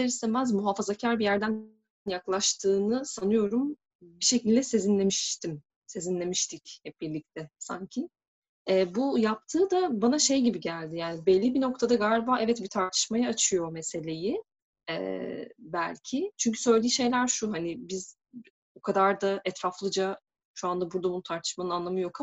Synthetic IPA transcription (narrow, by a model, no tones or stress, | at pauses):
eɾisɛmæzmuɦafazacʰæɾbijæɾd̪æn | njaklˠaʃt̪ʰɯːnɯsanɯjo̞ɾum | biʃecʰilʲd̪ɛse̞zinlʲe̞miʃt̪ʰim | se̞zinlʲe̞miʃt̪ʰichɛp̚biɾlʲic̚t̪ʰɛsa̰ɲcʰi | ɛːbujap̚t̪ʰɯːd̪abanaʃe̞jɟibiɟælʲd̪ijaːnibɛlʲːibino̞kt̪ʰad̪aɡalʲibaːʔɛvɛt̪bit̪ʰaɾt̪ʰɯ̥ʃmajaːt͡ʃʰɯjo̞mese̞lʲe̞ji | ɛ̰ːbælʲcʰɪt͡ʃʰyɲcʰy̥sø̞jlʲd̪ʲiːʃe̞jlʲæɾʃuɦanɪbiz̥ | okʰad̪aɾd̪aɛt̪ʰɾaflˠɯd͡ʒa | ʃuand̪abuɾd̪abunut̪ʰaɾt̪ʰɯ̥ʃmanɯnanlˠamɯjo̞kʰa